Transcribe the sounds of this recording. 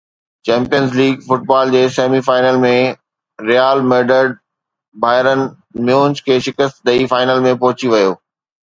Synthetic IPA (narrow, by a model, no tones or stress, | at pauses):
t͡ɕɛ̃ːmpijənzliːɡfʊʈ̚baːld͡ʑeːseːmifaːɪnəlmẽ | ɾijaːlmeːɾɖəɾɖ̚ | bʱaːɪɾən | mjũːnskʰeːʃɪkəst̪d̪ɐifaːɪnəlmẽpɐɦʊt͡ɕiʋɐjoː